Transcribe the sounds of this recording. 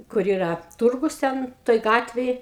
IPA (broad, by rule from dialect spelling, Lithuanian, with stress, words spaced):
kʊr ˈiːrɐ ˈtʊrɡʊs ˈtʲɛn ˈtoːj ˈɡɑːtʲʋʲeːj